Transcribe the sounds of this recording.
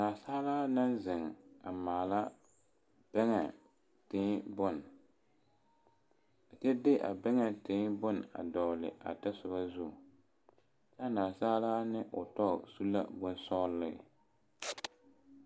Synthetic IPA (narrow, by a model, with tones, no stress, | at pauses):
naː˨saː˦laː˦na˦n˦zɪ˨ŋ˨a˨maː˨la˦ | b̥ɛ˦ŋɛ˨ | tɪː˦bʊ˦n˨ | a˨t͡ʃɛ˦dɪ˦ʔa̰˨bɛ˦ŋɛ˨tɪ˨˦bʊ˦n˨a̰˨dɔ˨lɪ̰˨a̰˨ta˦sʊ˨ba˦zʊ˦˨ | t͡ʃa˦naː˨saː˦laː˦nɪ˦ʔʊ˨tɔ˦˨su˦la̰˦bʊ˦n˦sɔ˦lːɪ̰˦˨